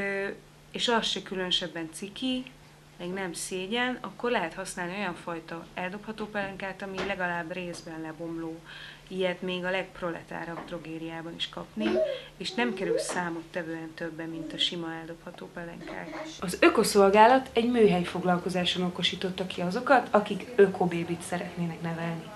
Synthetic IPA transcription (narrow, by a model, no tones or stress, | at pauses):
eːʃɒsʃɛkylønøʃɛbːɛnt̪siki | mɛɡnɛmseːɟɛnɒ̰kːo̞rlɛɦɛt̪hɒsnaːlio̞jɒɱfɒjt̪ɒɛld̪o̞phɒt̪oːpɛlɛŋkaːt̪ɒmilɛɡɒlaːbreːzbɛnlɛbo̞mloː | ijɛt̪meːɡɒlɛk̚pro̞lɛ̰t̪a̰ːɾɒbt̪ro̞ɡeːd̪ijaːbɒniʃkɒpnieːʃnɛmkɛɾylsaːmot̪ːɛvøːɛnt̪øbːɛmːint̪ɒʃimɒɛld̪o̞phɒt̪oːpɛlɛŋkʰa̰ːt̪ɒzøko̞so̞lɡaːlɒt̪ɛɟmøːɦɛjfo̞ɡlɒlko̞zaːʃonoko̞ʃiːt̪o̞t̪ːɒkiɒzo̞kɒt̪ɒkikøkʰobeːbit̪sɛɾɛt̪neːnɛknɛvɛlni